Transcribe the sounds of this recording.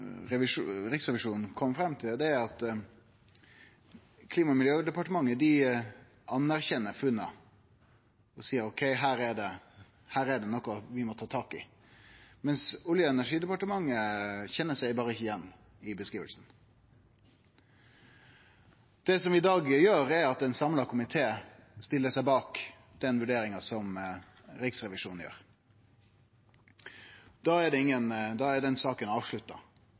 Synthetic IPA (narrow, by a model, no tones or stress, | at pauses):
ɾɛʋɪʂɾɪksʁɛʋɪʂuːnn̩kʰɔmːfɾɛmːt̪ʰɪld̪ɛɑt̪ | kʰliːmɑmɪljøːd̪ɛpɑʈəmɑŋːəd̪ɪ | ɑnːæɾçɛnːəɾfʉnːɑ̰ | ɔsiːəɾɔkʰɛɪɦæːɾɛd̪ɛ | hæːɾɛd̪ɛnɔkːɔʋɪmɔt̪ʰɑːt̪ʰɑːkɪ̰ | mɛnsʊljəɛnæʂiːd̪ɛpɑʈəmɑŋːəçɛnːəsæɪbɑːɾəɪçːəɪjɛnː | ɪbəskɾiːʋə̰lsn̩ | d̪̥ɛsɔmɪd̪ɑːɡjøːɾɛɾɑt̪ɛnsɑmlɑkʰʊmɪt̪ʰeːst̪ɪlːəsæɪbɑːk | d̪̥ɛnʋʉɖeːɾɪŋɑsɔm | ɾɪksɾɛʋɪʂuːnn̩jø̰ːɾ | d̪̥ɑːɛɖɛɪŋːənd̪ɑːɛd̪ɛnsɑːkənɑːʋʂɭʉt̪ːɑ̰